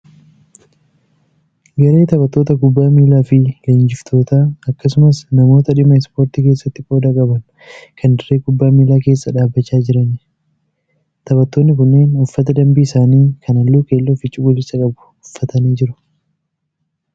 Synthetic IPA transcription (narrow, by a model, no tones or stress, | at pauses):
ɡɐɾe̞ːt̪ɐbɐt̪ːo̞ːt̪ɐɡʊbːaːmiːlaːfɪleːnd͡ʒɪft̪ʰo̞ːt̪aːɐkːɐsʊmɐsnɐmo̞ːt̪ɐᶑɪmɐɪspo̞ːɾt̪iːke̞ːsːɐt̪ːɪko̞ːd̪aːkʼɐbɐn | kʰɐnd̪ɪɾe̞ːkʊbːaːmiːlaːke̞ːsːɐᶑaːbːɐt͡ʃːaːd͡ʒɪɾɐn | t̪ɐbɐt̪ːoːnːɪk̬ʊnːe̞ːnʊfːɐt̪ɐd̪ɐmbiːsaːniːkʰɐnɐlːuːke̞ːlːoːfɪt͡ʃʼʊɡʊlɪsɐkʼɐbʊ̥ | ʊfːɐt̪ɐniːd͡ʒɪɾʊ̥